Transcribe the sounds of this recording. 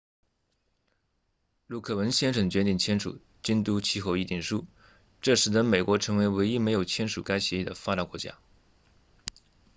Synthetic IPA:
lu˥˩kʰɤ˥˩wə˧˥nɕjɛ˥nʂ̬ɤ˧˩ŋt͡ɕɥɛ˧˥t̪i˥˩ŋt͡ɕʰjɛ˥nʂṵ˨˩˦ | t͡ɕi˥nt̪u˥t͡ɕʰi˥xo˥˧ʊi˥˧t̪i˥˩ŋʂu˥ | ʈ͡ʂɤ˥˩ʂɻ̩˨˩d̪ə˥˧me˨˩ɪkwɔ˧˥ʈ͡ʂʰɤ˧˥ŋwe˧˥ɪwe˧˥ɪi˥me˧˥ɪjo˨˩ʊt͡ɕʰjɛ˥nʂu˨˩ka˥ɪɕjɛ˧˥i˥˩d̪ə̰˩fa˥t̪a˧˥kwɔ˧˥t͡ɕja̰˥

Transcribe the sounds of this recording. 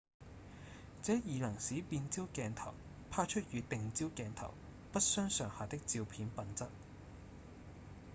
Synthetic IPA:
t͡sɛː˨˥jiː˨lɐ˨˩ŋsi˨˥piː˧nt͡siː˥wkɛː˧nt̪ʰɐ̰˨˩w | pʰaː˥t͡ʃʰɵ˥t̚jyː˨˧t̪ɪ˨ŋt͡siː˥wkɛː˧nt̪ʰɐ̰˨˩w | pɐ˥t̚sœː˥ŋsœː˨˩ŋhaː˨t̪ɪ˥k̚t͡si˧wpʰiː˨˥npɐ˨nt͡sɐ˥t̚

